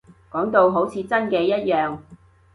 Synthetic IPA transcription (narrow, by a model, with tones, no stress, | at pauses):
kɔː˨˥ŋt̪o˧wɦo˨˥wt͡sʰiː˨˧t͡sɐ˥nkɛː˧jɐ˥t̚jœː˨ŋ